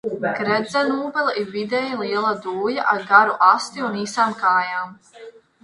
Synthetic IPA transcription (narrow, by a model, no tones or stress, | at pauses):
ɡ̥ɾɛd̪zɛnuːbɛlˠiɾvid̪ɛjalˠiɛlˠad̪uːjaʔaɾɡaɾuʔast̪iuniːsaːmkaːjaːm